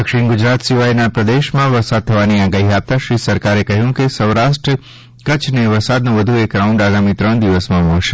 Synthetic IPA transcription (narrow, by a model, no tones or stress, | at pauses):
d̪əkʃiɳɡʊd͡ʒɾat̪siʋajnapɾəd̪eʃmãʋəɾsad̪̚t̪ʰəʋaniaɡaɦiap̚t̪aʃɾisəɾkaɾekəɦjũkesəwɾaʃʈɾə | kət͡ʃʰneʋəɾsad̪nõʋəd̪ʱuekɾauɳɖaɡamit̪ɾəɳd̪iʋəsmãmɔɭʃe